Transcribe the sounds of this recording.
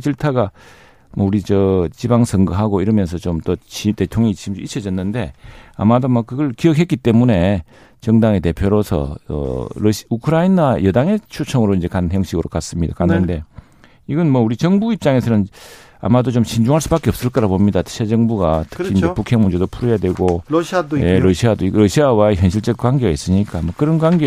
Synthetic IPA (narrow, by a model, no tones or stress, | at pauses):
t͡ɕiɭtʰaɡa | mʌuɾit͡ɕʌt͡ɕibaŋsʰʌŋɡɯɦaɡoiɾʌmjʌnsʰʌt͡ɕomt͈ot͡ɕitetʰjoŋit͡ɕimd͡ʑoit͡ɕʰʌd͡ʑʌnːɯnde̞a̰madomʌkɯɡʌɭkiʌk̬̚ɦek͈it͈e̞mune̞ | t͡ɕʌŋdaŋet̬e̞pʰjoɾosʰʌ̰ʌ̰ɾʌɕukʰɯɾainajʌdaŋe̞t͡ɕʰut͡ɕʰʌŋɯɾoind͡ʑe̞kanjʌŋɕiɡɯɾokas͈ɯmɲida̰kanːɯnde̞ | iɡʌnmʌuɾit͡ɕʌŋbuip̚t͡ɕ͈aŋe̞sʰnɯn | a̰madot͡ɕomɕʰind͡ʑuŋɦaɭs͈ubak͈eʌp̚s͈ɯɭk͈ʌɾabomɲidatʰɯ̥ɕʰed͡ʑʌŋbuɡatʰɯ̥kind͡ʑepukʰe̞ŋmund͡ʑedopʰuɾojadwe̞ɡo | je̞ɾʌɕʰiadoiɾʌɕʰiawaeçjʌnɕ̬ʰiɭt͡ɕ͈ʌk̚kwaŋɡeɡais͈ɯɲik͈amokɯɾʌnkwaŋɡe